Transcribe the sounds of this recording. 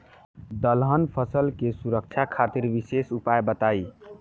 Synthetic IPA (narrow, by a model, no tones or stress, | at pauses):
d̪əlɦənpʰəsəlkesuɾək̚t͡ʃʰakʰat̪iɾbisesupajbət̪ai